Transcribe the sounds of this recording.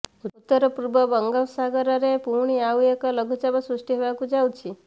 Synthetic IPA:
uut̪ːəɾəpuɾbəbəŋɡaʋsaɡəɾəɾepuɳ̃iawjekələɡʱut͡ʃabasɾuʂʈiɦeʋakud͡ʒawt͡ʃʰi

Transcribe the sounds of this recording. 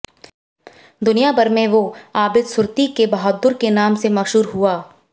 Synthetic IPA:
d̪ʊnijabɐɾmẽʋoaːbɪd̪sʊɾt̪ikebɐɦɔd̪ːʊɾkenaːmsemɐʃɦuːɾɦuaː

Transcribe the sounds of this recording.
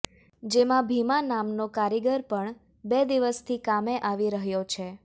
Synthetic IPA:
d͡ʒemãbʱimãnamnokaɾiɡəɾpəɳ | bed̪iʋəst̪ʰikameʔaʋiɾəɦjot͡ʃʰe

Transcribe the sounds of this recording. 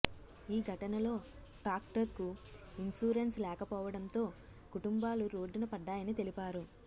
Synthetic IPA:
iːɡʱɐʈɐnɐlo̞ː | ʈaːkʈɐɾkuinsuːɾenslɛːkɐpɔːʋɐɽɐnt̪o̞ː | kuʈumbaːluɾoːɖunɐpɐɖːaːjɐnit̪e̞lipaːɾu

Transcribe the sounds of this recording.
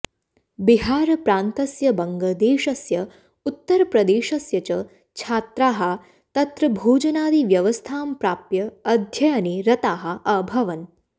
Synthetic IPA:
biɦaːɾɐpɾaːnt̪ɐsjɐbɐŋɡɐd̪eːʃɐsjɐ | ut̪ːɐɾɐpɾɐd̪eːʃɐsjɐt͡ʃɐ | t͡ʃʰaːt̪ɾaːɦɐ̆ | t̪ɐt̪ɾɐbʱuːd͡ʒɐnaːd̪iʋjɐʋɐst̪ʰaːmpɾaːpjɐːd̪ʱjɐjɐniɾɐt̪aːɦɐ̆ʔɐbʱɐʋɐn

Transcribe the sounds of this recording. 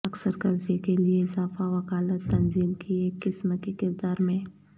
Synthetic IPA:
ɐksəɾkɐɾzikelieɪzaːfaʋɐkaːlət̪ːɐnziːmkieːkːɪsmkikɪɾd̪aːɾmẽ

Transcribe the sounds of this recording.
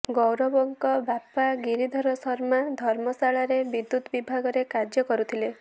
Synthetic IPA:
ɡɔwɾɔbɔŋkɔbapaɡiɾid̪ʱɔɾɔsɔɾmad̪ʱɔɾmɔsaɭaɾebid̪ːut̪bibʱaɡɔɾekaɾd͡ʒjɔkɔɾut̪ʰile

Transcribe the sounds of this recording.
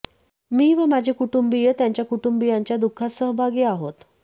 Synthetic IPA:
miːʋəmad͡ʑʱekuʈumbijət̪jaɲt͡ɕjakuʈumbijaɲt͡ɕjad̪ukʰːasəɦbʱaɡiːaɦot̪

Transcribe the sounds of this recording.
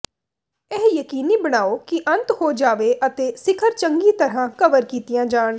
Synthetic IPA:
ɛːjəkiːniːbəɽ̃aːoːkiʔə̃nt̪hoːd͡ʒaːʋeːʔət̪eːsɪkʰəɾt͡ʃəŋɡiːt̪əɾãːkəʋəɾkiːt̪ijãːd͡ʒaːɳ

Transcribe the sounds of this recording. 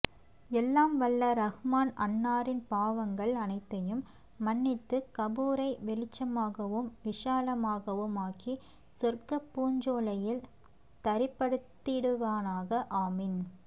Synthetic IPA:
ɛlːaːmʋɐɭːɐɾɐɣɯmaːnɐnːaːɾɪnpaːʋɐŋɡɐɭɐnɐɪt̪ːɐjɯmː | ɐnːɪt̪ːɯkɐbuːɾɐɪʋɛlɪt͡ʃːɐmaːɣɐʋɯmʋɪʂaːlɐmaːɣɐʋɯmaːki | sɔrkɐpːuːɲd͡ʒoːlɐjɪl | t̪ɐɾɪpːɐɽɯt̪ːɪɽɯʋaːnaːɣɐʔaːmɪn

